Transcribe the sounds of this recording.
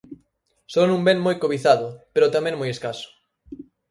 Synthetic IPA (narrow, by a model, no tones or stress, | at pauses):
sonũmbeŋmojkoβiθaðʊpeɾot̪amẽŋmojeskasʊ̥